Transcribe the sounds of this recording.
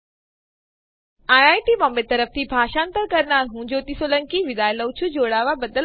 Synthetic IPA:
aːjaːjʈiːʋɔ̃ːmbet̪ɐɾəft̪ʰibʱaːʃaːnt̪əɾkɐɾnaːɾɦũːɲd͡ʑoːt̪isoːlɐ̃ŋkiʋɪd̪aːjlɐʊt͡ɕʰud͡ʑoːɽaːʋabɐd̪əl

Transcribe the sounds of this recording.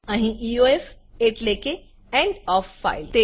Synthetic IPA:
ãɦĩioef | eʈleke | ɛ̃ɳɖɔːfːa̰ilt̪e

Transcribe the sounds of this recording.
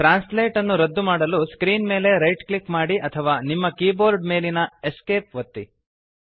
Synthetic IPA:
ʈɾaːnsleːʈɐnːuɾɐd̪ːumaːɽɐluskɾiːnme̞ːle̞ɾɐjʈklikmaːɽiʔɐt̪ʰɐʋaːnimːɐkiːboːɾɖme̞ːlinɐeske̞ːp̚ʋɐt̪ːi

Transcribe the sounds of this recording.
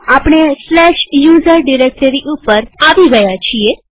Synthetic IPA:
apɳ̃eslɛʃjuzəɾɖiɾek̚ʈəɾiʔupəɾaʋiɡəjat͡ʃʰie

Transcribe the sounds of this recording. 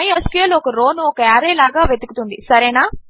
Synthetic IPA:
ɐjɐskujɐlɔkɐɾoːnuɔkɐaːɾeːlaːɡaːʋed̪ukut̪und̪isɐɾeːnaː

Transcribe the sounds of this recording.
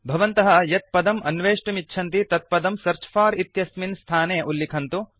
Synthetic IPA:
bʱɐʋɐnt̪ɐɦɐjɐt̪̚pɐd̪ɐmɐnʋeːʂʈɐmitːʃʰɐnt̪it̪ɐt̪̚pɐd̪ɐmsɐɾt͡ʃʰɐ̥faːɾit̪jɐsminst̪ʰaːneːʔulːikʰɐnt̪u

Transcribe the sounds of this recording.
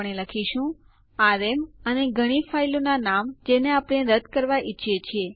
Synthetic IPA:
ɳ̃eləkʰiʃũ | aɾeməneɡʱəɽ̃ifailonanamd͡ʒeneapɽ̃eɾəd̪kəɾʋaʔitːʃʰjet͡ʃʰie

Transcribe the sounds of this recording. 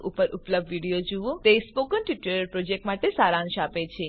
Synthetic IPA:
ʔupəɾʔupləb̚dʋiɽijod͡ʒuʋũt̪espokənʈiʈəɾpɾod͡ʒek̚ʈmaʈesaɾãnʃapet͡ʃʰe

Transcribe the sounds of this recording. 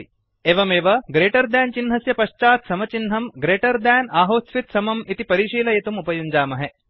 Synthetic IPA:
eːʋɐmeːʋɐɡɾeːʈɐɾd̪aːnt͡ʃinɦɐsjɐpɐʃt͡ʃaːt̪sɐmɐt͡ʃinɦɐmɡɾeːʈɐɾd̪aːnaːɦoːsʋit̪sɐmɐmit̪ipɐɾiːʂiːlɐjet̪umupɐjuɲd͡ʒaːmɐɦe

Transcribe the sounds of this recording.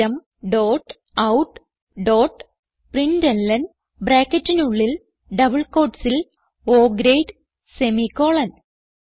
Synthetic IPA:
ɐm | ɖoːʈ | ɐwʈ | ɖoːʈ | prindelːɐn | bɾaːkːɐtːinuɭːil | ɖɐbɐɭko̞ːʈsil | oːɡɾejɖ | semikːoːɭɐn

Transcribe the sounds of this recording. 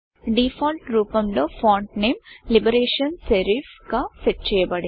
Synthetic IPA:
ɖifʰaːlʈɾuːpɐmloːfaːɳʈneːmlibɐɾeːʂɐnseɾifkaːseʈ̚t͡ʃɛːjɐbɐɽi

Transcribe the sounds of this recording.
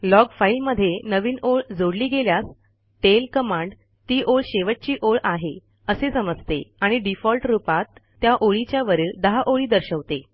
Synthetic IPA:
lɔɡfailməd̪ʱːjenəʋiːnoɭd͡zoɽliːɡeljas | ʈelkəmaɳɖ | t̪iːʔoɭɕeʋəʈ̚t͡ɕiːʔoɭaɦe | əsesəməd͡zt̪ḛaɽ̃iɖifɔlʈɾupat̪ːjaʔoɭit͡ɕjaʋəɾiːɭd̪əɦaʔoɭiːd̪əɾɕəʋt̪e

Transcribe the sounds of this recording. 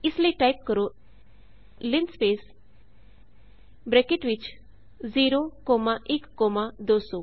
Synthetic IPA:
isləiʈajp̚kəɾo | lɪnspeːs | bɾekeʈʋit͡ʃ | ziːɾokɔːmaʔikːɔːmad̪oːso

